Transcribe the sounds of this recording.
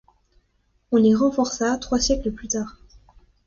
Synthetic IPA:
ɔ̃liʁɑ̃fɔʁsat̪χwasjɛkləplyt̪aːʁ

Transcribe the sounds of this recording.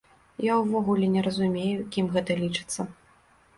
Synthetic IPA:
jawvɔɣulʲɛnʲɛɾɐzumʲejukʲimɣɛt̪ɐlʲit͡ʂɨ̥t̪sːɐ

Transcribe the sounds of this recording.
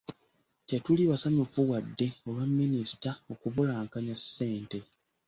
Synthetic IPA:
tetuliβasamofuwadːe̞o̞lwamːinistao̞kuβulaːŋkaɲasːe̞ːnte̞

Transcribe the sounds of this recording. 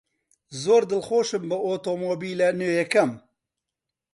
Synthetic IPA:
zoːɾd̪ɨlxoːʃɨmbɨoːt̪omobiːlenøːjɛkɐm

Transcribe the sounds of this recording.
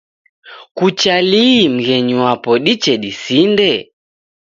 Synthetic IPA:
kut͡ʃaliːm̩ɣɛɲuwapɔɗit͡ʃɛɗisindɛ

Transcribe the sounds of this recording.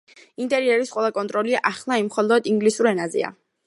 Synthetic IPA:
int̪ʼɛɾiɛɾisqʼwɛlˠakʼɔnt̪ʼɾɔliʔaχlˠaimχɔlˠɔd̪iŋɡlisuɾɛnazɛ̰a̰

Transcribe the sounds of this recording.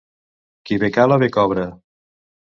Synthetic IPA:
kiβekalaβekɔβɾə

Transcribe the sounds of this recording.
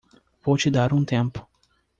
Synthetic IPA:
pot͡ʃid̪aɾunt̪emp

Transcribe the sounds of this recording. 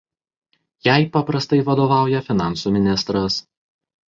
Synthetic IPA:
jæɪpɐpɾɐst̪ɐɪʋɐd̪oːʋɑˑʊjɛfʲɪnɑˑnsuːmʲɪnʲɪst̪ɾɐs

